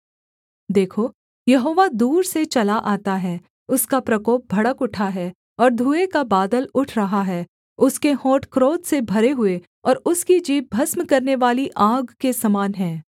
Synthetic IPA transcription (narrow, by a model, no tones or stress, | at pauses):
d̪eːkʰoː | jɐɦoːʋad̪uːɾset͡ʃɐlaʔaːt̪aɦɛː | ʊskapɾɐkɔːp̚bʱɐɽəkʊʈʰaɦɛː | ɔːɾd̪ʱuːekabaːd̪əlʊʈʰɾɐɦaɦɛː | ʊskehɔ̃ːʈkɾoːt̪sebʱɐɾeɦʊe | ɔːɾʊskid͡ʒiːb̚bʱɐsmkɐɾneʋaːliʔaːɡkesɐmaːnɦɛ̃ː